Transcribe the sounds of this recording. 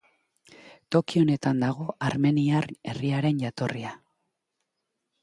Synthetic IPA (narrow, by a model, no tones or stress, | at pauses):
t̪o̞kio̞ne̞t̪and̪aɣ̞o̞ʔaɾme̞niare̞̰riaɾe̞nɟat̪o̞ria